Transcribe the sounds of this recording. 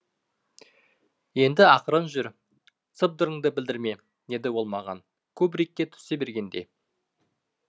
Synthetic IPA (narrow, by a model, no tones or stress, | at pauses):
je̞nd̪ɪɑqəɾənʒʏɾ | t̪səp̚d̪əɾəŋd̪əbɪld̪ɪɾme̞ | ne̞d̪ɪwo̞lˠmɑʁɑ̰n | kʲʰɵbɾik̚ʲːe̞t̪ʰʏ̥se̞be̞ɾɡʲe̞nd̪e